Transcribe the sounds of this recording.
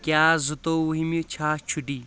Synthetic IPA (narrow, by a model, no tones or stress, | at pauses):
kʲjaːzut̪ouɦimit͡ʃʰaːt͡ʃʰuɖi